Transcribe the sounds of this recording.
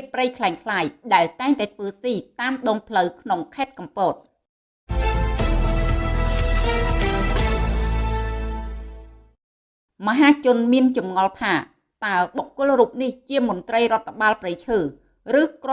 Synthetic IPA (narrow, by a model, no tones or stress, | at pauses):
prəjkʰlaɛŋkʰlaːjɗaɛlt̪aɛŋt̪aɛt̪ʰʋəːsiːt̪aːmɗɔːŋpʰləwkʰnoŋkʰaɛt̪̚kɑmpoːt̪̚ | mə̆ɦaːt͡ɕʊ̆ənmiənt͡ɕɑmŋɑlt̪ʰaː | t̪aəɓokːʊ̆əlruːp̚niht͡ɕiəmont̪rəjrŏət̪ʰːăɓaːlprəjt͡ɕʰəː | rɨːkro